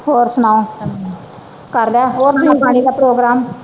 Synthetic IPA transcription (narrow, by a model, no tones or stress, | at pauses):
hoːɾsʊnãːõ | kəɾlaːɦoːɾsʊãːbaːɽ̃iːd̪aːpɾoːɡɾaːm